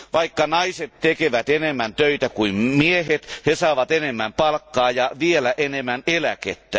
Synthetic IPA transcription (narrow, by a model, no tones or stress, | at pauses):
ʋɑikːɑnɑiset̪t̪ekeʋæt̪enemːænt̪øit̪ækuimmiehet̪hesɑːʋɑt̪enemːæmpɑlkːɑːjɑʋielæʔenemːænelækḛt̪ːæ